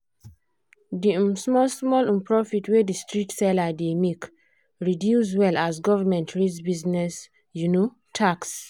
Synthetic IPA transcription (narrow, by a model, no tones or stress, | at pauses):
dismɔlsmɔlĩnpɹɔfitwedistɹitsɛlademek | ɹidjus̬wɛlazɡɔvamɛ̃ntʰɹisbiznɛs | juno | tʰaks